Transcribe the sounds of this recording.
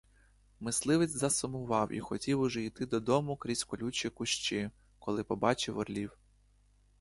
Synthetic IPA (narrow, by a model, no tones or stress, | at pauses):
mɪslˠɪʋɪt͡sʲzɐsʊmʊʋɑwʔḭxɔtʲiwʊʒɛijt̪ɪd̪ɔd̪ɔmʊkɾʲisʲkɔlʲut͡ʃʲikʊʃt͡ʃɪ | kɔlˠɪpɔbɑt͡ʃɪwɔ̰rlʲiw